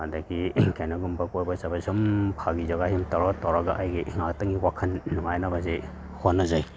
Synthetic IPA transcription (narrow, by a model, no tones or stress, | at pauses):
adaɡikʰajnaɡumbakojbɐsabasumpʰaɡizaɡahimtaɾatawɾaɡa̰ʔajɡiŋaktaŋiwakʰɐnnːuŋajnabaze | honːazaj